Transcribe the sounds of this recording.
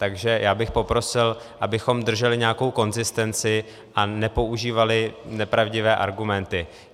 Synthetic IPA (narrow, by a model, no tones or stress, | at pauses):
t̪aɡʒɛjʔaːbɪxpo̞pɾo̞sɪl | ʔabɪxo̞md̪r̩ʒɛlɪɲɛako̞wko̞nzɪst̪ɛnt͡sɪ | ʔanɛpo̞uʒiːvalɪnɛpɾavɟɪvɛːʔaɾɡumɛnt̪ɪ